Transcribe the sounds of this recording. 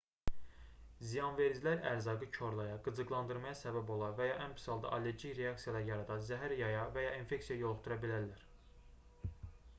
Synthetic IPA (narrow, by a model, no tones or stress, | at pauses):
zijɑnve̞ɾd͡ʒilæɾæ̰ɾzɑɡɯt͡ʃʰo̞ɾlˠɑjɑɡɯzɯɡlˠɑnd̪ɯɾmɑjɑsæbæbo̞lˠɑɾvæjɑʔænpʰi̥sɑlˠd̪ɑ̰ʔɑle̞ɾɟikɾeɑksijɑlˠɑjɑɾɑd̪ɑzæɦæɾjɑjɑvæjɑʔinfe̞ksijɑjo̞lˠχt̪ʰuɾɑbilæɾlæɾ